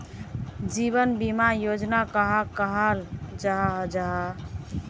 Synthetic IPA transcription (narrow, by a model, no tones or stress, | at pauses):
d͡ʒiβənbimajod͡ʒnakəɦakəɦəld͡ʒaɦaɦd͡ʒaɦa